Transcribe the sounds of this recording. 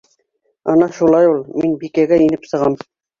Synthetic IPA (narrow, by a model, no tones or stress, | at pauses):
ɑ̰nɑʃulˠɑjulˠminbikæɡæinɘpsɤ̆ʁɑm